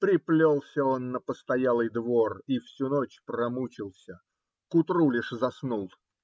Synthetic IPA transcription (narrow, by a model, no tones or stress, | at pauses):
pɾʲɪplʲolˠsʲəo̞nːəpəst̪ɐjalˠɨjd̪vo̞rifsʲunot͡ɕpɾɐmut͡ɕɪlˠsʲə | kʊt̪ɾulʲɪʂzɐsnulˠ